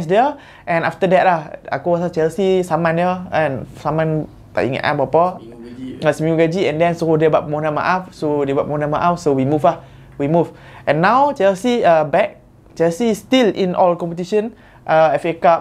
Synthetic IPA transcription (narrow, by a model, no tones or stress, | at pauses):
nsdə | ʔɛ̃naft̪ədɛt̚laha̰kowasat͡ʃɛlsisamãnəənsamãn | t̪a̰ʔḭ̃ŋɛ̰ʔã̰pɔpə | asmiuɡad͡ʒiɛ̃ndɛ̃nsoodebaʔ̚mɔnama̰ʔafsodebaʔ̚pmɔ̃nãmaʔafsowimufah | wimufʔɛ̃nːawt͡ʃɛlsiəbɛk̚ | t͡ʃɛlsistilḭ̃nʔɔlkɔ̃mpət̪̬iʃə̃n | ʔəɛfekap̚